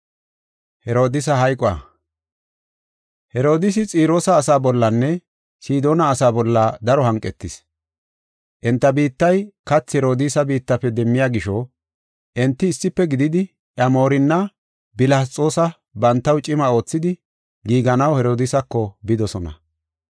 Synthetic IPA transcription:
hɛɾo̞ːd̪ɪs̬ɐɦɐjkʼɔɐ̰ | hɛɾo̞ːd̪ɪs̬ɪt͡sʼiːɾo̞ːsɐːsaːbɔlːɐnːɛ | siːd̪o̞ːnɐːsaːbɔlːɐd̪ɐɾɔhɐŋkʼːɛt̪ːɪs | ʔɛnt̪ːɐbiːt̪ːɐjkɐt͡sːhɛɾo̞ːd̪ɪsɐbiːt̪ːɐpːɛd̪ɛmːɪjaːɡɪʃɔ | ʔɛnt̪ːɪːsːɪpːɛɡɪd̪ɪd̪ɪ | ʔjɐmoːɾɪnːɐ | bɪlaːt͡sʼo̞ːsɐ | bɐnt̪ːɐwt͡ʃʼɪmɐo̞ːt͡sːɪd̪ɪ | ɡiːɡɐnɐwhɛɾo̞ːd̪ɪsɐkːɔbɪd̪ɔsɔnɐ̰

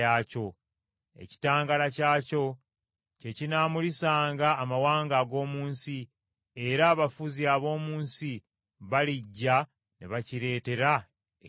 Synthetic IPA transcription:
aːco̞ | ḛci̥taːŋɡalacaːco̞ | ce̞cinaːmulisaːŋɡaːmawaːŋɡaɡo̞ːmuːnsi | e̞ɾaːβafuziaβo̞ːmuːnsi | βaliɟːa | neβaciɾe̞ːte̞ɾa

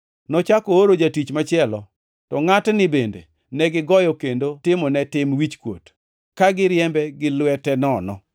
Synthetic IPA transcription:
nɔt͡ʃakooɾod͡ʒatit͡ʃmat͡ʃɪɛlɔ | tɔŋatnɪbendḛ | nɛɡɪɡɔjɔkendotɪmɔnɛtɪmwit͡ʃkwo̰t | kaɡɪɾjɛmbɛɡɪlwɛtɛnɔnɔ̰

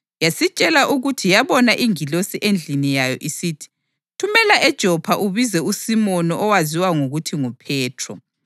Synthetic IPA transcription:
jasit͡ʃʼɛlaʔuɣutʰijaβɔnaʔiŋilosiʔend͡ɮʱinijajɔ̰ʔisiːtʰi̥ | tʰumɛlaʔɛd̥ʒ̥ʱɔpʰaʔuβizɛusimɔnɔʔɔwaziwaŋoɣutʰiŋɔpʰɛːtʰrɔ

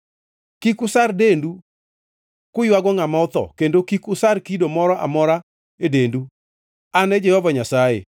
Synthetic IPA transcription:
kikʊsardendu | kʊjwaɡɔŋamaʊt̪ɔ̰kendokikʊsarkidomɔɾɔʔa̰mɔɾa | edendu | anɛd͡ʒɛhɔvaɲasajḛ

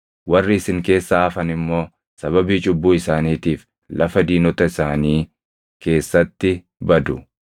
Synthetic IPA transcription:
wɐrːɪːsɪŋke̞ːsːaɐfɐnɪmːo̞ː | sɐβɐbiːt͡ʃʼʊbːuːɪsaːniːt̪iːf | lʔɐfɐd̪iːnɔt̪ɐɪsaːniː | ke̞ːsːɐt̪ːɪ | bɐd̪ʊ

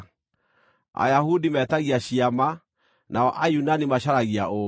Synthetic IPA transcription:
a̰jahudimɛtaɣiaɕiama | naɔʔajunanimaɕaɾaɣiao

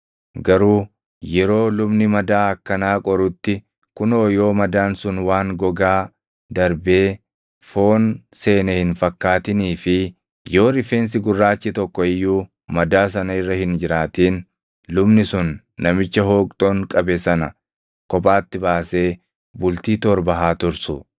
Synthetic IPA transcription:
ɡɐɾuː | jɛɾo̞ːlʊbnɪmɐd̪aːɐkːɐnaːkʼɔɾʊt̪ːɪ | kʊnoːjo̞ːmɐd̪aːnsʊnwaːŋɡɔɡaː | d̪ɐɾbe̞ː | fo̞ːn | se̞ːnɐhɪnfɐkːaːt̪ɪniːfɪ | jo̞ːɾɪfeːns̬ɪɡʊrːaːt͡ʃːɪt̪ɔkːɔɪjːuː | mɐd̪aːs̬ɐnɐɪrːɐhɪnd͡ʒɪɾaːt̪iːn | lʊbnɪsʊnː | ɐmɪt͡ʃːɐɦoːkʼt̪ʼoːŋkʼɐbɛsɐnɐ | kɔpʼaːt̪ːɪbaːse̞ː | bʊlt̪iːt̪ɔɾbɐɦaːt̪ʊɾsʊ

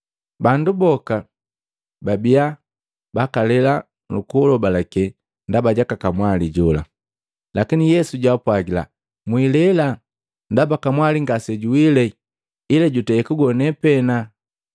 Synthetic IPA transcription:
bandubɔka | babia | bakalɛla | lukulɔbalakɛ | ndabaɟakakamwaliɟɔla̰ | lakinijɛsuɟwapwaɡila̰ | mwilɛla | ndabakamwaliŋɡasɛɟuwilɛ | ilɛɟutɛːkuɡɔnɛpɛna

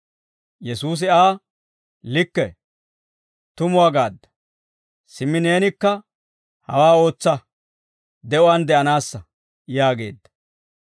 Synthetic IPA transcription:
jɛsuːs̬ɪaː | lɪkːɛ | t̪ʊmʊwaɡaːd̪ːɐ̥ | sɪmːɪne̞ːnɪkːɐ | hɐ̰waːo̞ːt͡sːɐ | d̪ɛʔɔwɐnd̪ɛʔɐnaːsːɐ | jaːɡe̞̰ːd̪ːɐ̥

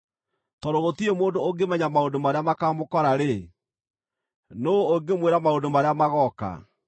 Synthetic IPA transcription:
tɔɾoɣotiemoːndooɡemɛɲamaondomaɾeamakaːmokɔɾaɾe | noːɡemweɾamaodomaɾeamaɣɔka̰

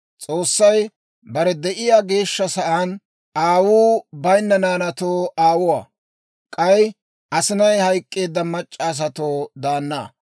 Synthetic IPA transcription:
t͡sʼo̞ːsːɐj | bɐɾɛd̪ɛʔɪjaːɡe̞ːʃːɐsɐʔɐn | aːwuːbɐjnːɐnaːnɐt̪oːaːwʊwa̰ː | kʼɐj | ɐsɪnɐjhɐjkʼːe̞ːd̪ːɐmɐt͡ʃʼːas̬ɐt̪oːd̪aːnːa̰ː

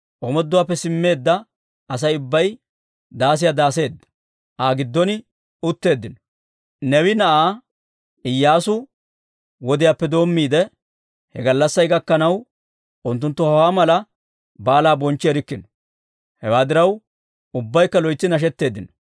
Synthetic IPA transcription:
ʔɔmɔd̪ːʊwaːpːɛsɪmːe̞ːd̪ːɐː | s̬ɐjʊbːɐj | d̪aːs̬ɪjad̪aːse̞ːd̪ːɐ̥ | ʔaːɡɪd̪ːɔnɪ | ʊt̪ːe̞ːd̪ːɪnɔ̥ | nɛwɪnɐʔaː | ɪjːaːsʊ | wɔd̪ɪjaːpːɛd̪o̞ːmːiːd̪ɛ | hɛɡɐlːɐsːɐjɡɐkːɐnɐw | ʊnt̪ːʊnt̪ːɔhɐwaːmɐlɐ | baːlaːbɔnt͡ʃːɪɛɾɪkːɪnɔ̥ | hɛwaːd̪ɪɾɐw | ʊbːɐjkːɐlɔjt͡sːɪnɐʃ̬ɛt̪ːe̞ːd̪ːɪnɔ̥

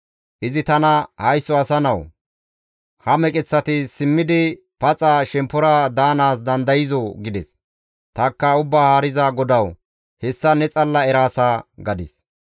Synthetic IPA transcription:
ʔɪzɪt̪ɐnɐhɐjsːɔɐsɐnɐw | hɐmɛkʼɪt͡sːɐt̪ɪsɪmːɪd̪ɪ | pɐt͡sʼaːʃɛmpːɔɾad̪aːnaːsd̪ɐnd̪ɐjɪzɔɡɪd̪ɛs | t̪ɐkːɐʊbːaːhaːɾɪzaːɡɔd̪ɐw | hɛsːɐnɛt͡sʼɐlːɐɛɾaːsaːɡɐd̪ɪs

